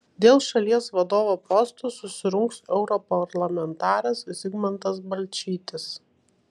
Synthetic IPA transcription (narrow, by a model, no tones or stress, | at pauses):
d̪ʲeːlˠʃɐlʲiɛsʋɐd̪oːʋopɔst̪oːsʊsʲɪɾʊŋksɛʊɾɔpɐɾlˠɐmʲɛnt̪ɑːɾʲɛssʲɪɡmʲɛnt̪ɐsbɐlʲt͡ʃʲiːt̪ʲɪs